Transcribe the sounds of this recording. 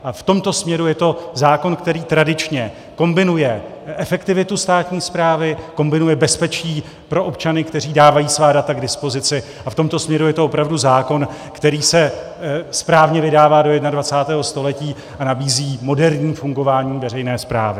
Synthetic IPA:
ʔaft̪o̞mt̪o̞smɲɛɾujɛt̪o̞zaːko̞nkt̪ɛɾiːt̪ɾadɪt͡ʃɲɛ | ko̞mbɪnujɛ | ʔɛfɛkt̪ɪvɪt̪ust̪aːt̪ɲiːspɾaːvɪko̞mbɪnujɛbɛspɛt͡ʃiː | pɾo̞ʔo̞p̚t͡ʃanɪkt̪ɛr̝iːdaːvajiːsvaːdat̪aɡdɪspo̞zɪt͡sɪ | ʔaft̪o̞mt̪osmɲɛɾujɛt̪oopɾavduzaːko̞nkt̪ɛɾiːsɛ | spɾaːvɲɛvɪdaːvaːdo̞jɛdnadvat͡saːt̪ɛːɦo̞st̪o̞lɛciː | ʔanabiːziːmo̞dɛɾɲiːfuŋɡo̞vaːɲiːvɛɾɛjnɛːspɾa̰ːvɪ

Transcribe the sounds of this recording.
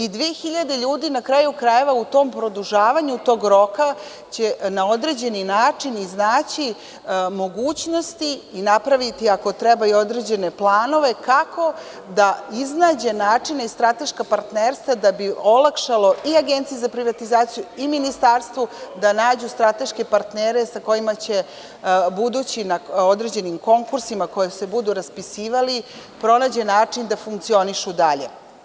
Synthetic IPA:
id̪ʋiexiʎad̪e̞ʎuːd̪inakɾajukɾaje̞ʋaut̪o̞ːmpɾo̞d̪uʒaːʋaɲut̪o̞ːɡɾo̞ka | t͡ɕenao̞d̪ɾe̞d͡ʑe̞ninaːt͡ʂiniznaːt͡ɕi | mo̞ɡuːt͡ɕno̞st̪iːnapɾaʋit̪iako̞t̪ɾɛbaio̞d̪ɾe̞d͡ʑe̞ne̞plˠaːno̞ʋe̞kako̞ | d̪aiznaːd͡ʑe̞naːt͡ʂinaist̪ɾat̪e̞ʃkapaɾt̪neɾst̪ʋad̪abio̞lˠakʃalo̞iaɡent̪sijezapɾiʋat̪izaːt̪sijuiminist̪aɾst̪ʋud̪anaːd͡ʑust̪ɾat̪e̞ʃke̞paɾt̪neːɾe̞sako̞imat͡ɕe̞ | bud̪uːt͡ɕinaod̪ɾe̞d͡ʑe̞nimko̞ŋkuɾsimakojese̞bud̪uɾaspisiːʋali | pɾo̞naːd͡ʑe̞naːt͡ʂind̪afuŋkt̪sio̞niʃud̪aʎḛ

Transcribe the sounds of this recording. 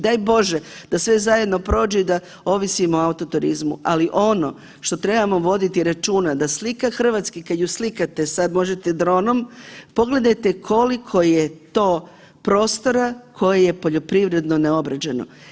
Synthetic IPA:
d̪ajbo̞ʒed̪̥asʋe̞zaje̞d̪no̞pɾo̞ːd͡ʒuid̪a | o̞ʋisimoaut̪o̞t̪uɾizmṵʔaliʔo̞no̞̰ | ʃt̪o̞t̪ɾe̞bamo̞ʋo̞d̪it̪iɾat͡ʃuːnad̪aslikaxr̩ʋat̪skikad̪juslikat̪esad̪mo̞ʒet̪ed̪ɾo̞ːno̞mpo̞ɡle̞d̪ajt̪ekʰo̞likʰo̞jet̪o̞ː | pɾo̞ːst̪o̞ɾakʰo̞jeje̞po̞ʎo̞pɾiʋɾe̞d̪no̞neo̞bɾad͡ʑeno̞̰

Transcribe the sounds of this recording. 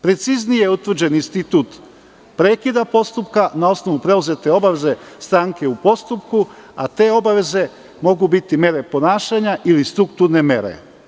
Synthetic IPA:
pɾe̞t̪siznijeut̪ʋɾ̩d͡ʑe̞ninst̪it̪uːt̪ | pɾe̞ːkid̪apo̞st̪upkanao̞sno̞ʋupɾe̞uze̞t̪e̞o̞baʋe̞ze̞st̪ɾaŋke̞upo̞st̪upkua̰t̪e̞ːo̞baʋe̞ze̞ | mo̞ɡubit̪ime̞ɾe̞po̞naːʃaɲaʔilist̪ɾukt̪uɾne̞me̞̰ɾḛ

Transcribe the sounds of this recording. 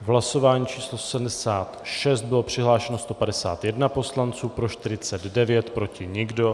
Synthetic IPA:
ɦlaso̞vaːɲiːt͡ʃiːslosɛm̩dɛsaːt̪ʃɛst̪̚bɪlo̞pr̝̥ɪɦlaːʃɛno̞st̪o̞padɛsa̰ːt̪jɛdnapo̞slant͡suːpɾo̞ʃt̪ɪɾɪt͡sɛd̪dɛvjɛt̪pɾo̞cɪɲɪɡdo̞

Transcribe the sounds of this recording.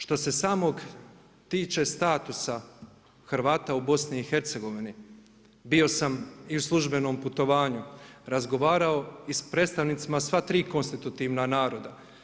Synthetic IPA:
ʃt̪o̞se̞saːmo̞ɡ | t̪iːt͡ʃe̞st̪aːt̪usa | xɾʋaːt̪aubo̞sniːxe̞ɾt̪seɡo̞ʋini | bio̞samiuslˠuʒbe̞no̞ːmput̪o̞ʋaːɲuɾazɡo̞ʋaːɾao̞ispɾe̞ːt̪st̪aʋnit̪simasʋat̪ɾiːko̞nst̪it̪ut̪iʋnanaːɾo̞d̪a

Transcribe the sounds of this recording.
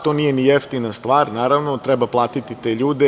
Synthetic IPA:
t̪o̞nijenijeft̪inast̪ʋaːɾnaːɾaʋnot̪ɾɛbaplˠaːt̪it̪it̪e̞ʎuːd̪e

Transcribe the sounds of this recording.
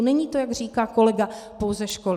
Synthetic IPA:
nɛɲiːt̪o̞jaɡr̝iːkaːko̞lɛɡapowzɛʃkol

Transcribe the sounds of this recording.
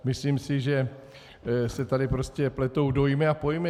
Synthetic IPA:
mɪsliːmsɪʒɛ | sɛt̪adɪpɾo̞scɛplɛt̪o̞wdo̞jmɪapo̞jmɪ

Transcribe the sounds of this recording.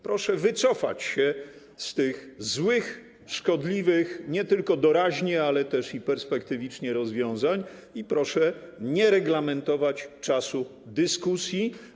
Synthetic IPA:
pɾɔʂɛvɘt̪sɔfa̰t͡ɕɕɛ | st̪ɘxzwɘx | ʂkɔd̪lʲivɘxɲɛt̪ɘlkɔd̪ɔɾaʑɲɛalɛt̪ɛʂipɛɾspɛkt̪ɘvʲit͡ʂɲɛɾɔzvʲjɔ̃w̃zaɲ | ipɾɔʂɛɲɛɾɛɡlamɛnt̪ɔvat͡ɕt͡ʂasu | d̪ɘskusʲji

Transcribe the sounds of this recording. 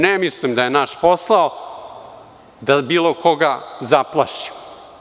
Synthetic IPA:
nemislimd̪ajenaʃposlˠao | d̪abiːlokʰoɡazaplˠa̰ʃi̥m

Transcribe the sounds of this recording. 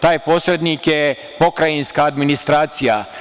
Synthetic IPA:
t̪aːjpo̞ːsɾed̪niːkje | po̞kɾajinskaːd̪minist̪ɾaːt̪sija̰

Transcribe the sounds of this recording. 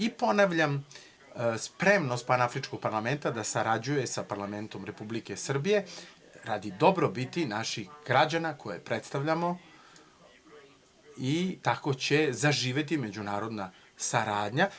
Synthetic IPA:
ipo̞naʋʎam | spɾe̞mnost̪̚panaafɾit͡ʃko̞ɡ̚paɾlˠame̞nt̪ad̪asaɾad͡ʑuje̞sapaɾlˠame̞nt̪o̞mɾepublike̞sr̩bije̞ | ɾaːd̪id̪o̞bɾobit̪inaʃixɡ̥ɾad͡ʑanakʰo̞jḛpɾet̪st̪aʋʎamo̞ | it̪ako̞t͡ɕe̞zaʒiːʋe̞t̪ime̞d͡ʑunaːɾo̞d̪na | saɾaːd̪ɲa

